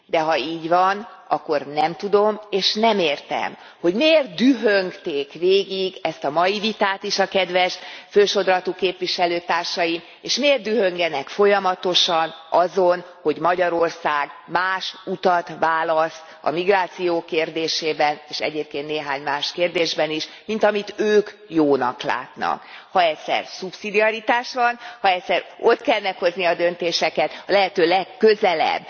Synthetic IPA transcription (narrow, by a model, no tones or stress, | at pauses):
d̪ɛɦɒiːɟʋɒn | ɒkːo̞rnɛmt̪ud̪o̞meːʃnɛmeːrt̪ɛ̰m | ho̞ɟmeːrd̪yɦøŋkt̪eːkʋeːɡiɡɛst̪ɒmɒjivit̪aːt̪iʃɒkɛd̪ʋɛʃføːʃo̞d̪rɒt̪ukeːpʋiʃɛløːt̪aːrʃɒjim | eːʃmeːrd̪yɦø̞ŋɡɛnɛkfo̞jɒmɒt̪o̞ʃɒnɒzo̞n | ho̞ɟmɒɟɒɾo̞rsaːɡmaːʃut̪ɒt̪ʋaːlɒst̪ | ɒ̰miɡraːt̪sijoːkeːrd̪eːʃeːbɛneːʃɛ̰ɟeːp̚keːnt̪neːɦaːɲmaːʃkeːrd̪eːʒbɛniʃ | mint̪ɒmit̪øːk | joːnɒ̰kla̰ːt̪nɒ̰khɒɛcʲsɛ̰rsupsid̪iɒɾit̪aːʃʋɒnhɒɛcʲsɛrot̪kɛlnɛkho̞zniɒd̪ø̞nt̪eːʃɛkɛt̪ɒlɛɦɛt̪øːlɛkːø̞zɛlɛ̰bː